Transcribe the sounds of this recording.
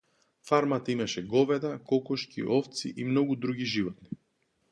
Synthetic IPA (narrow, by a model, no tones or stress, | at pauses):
faɾmat̪aimaʃɛɡɔvɛd̪akɔkɔʃkʰḭʔɔft̪sḭʔimnɔɡud̪ɾuɡiʒivɔt̪ni